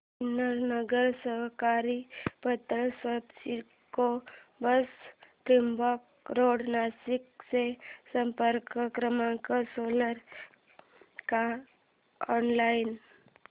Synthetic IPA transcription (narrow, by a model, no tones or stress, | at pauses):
inəɾnəɡəɾsəɦkaɾipət̪ɾəsət̪si | kobəst̪ɾimbɔk̚ | ɾoɽnasikt͡sesəmpəɾkəkɾəmãkəsoləɾ | ka | ɔnlajin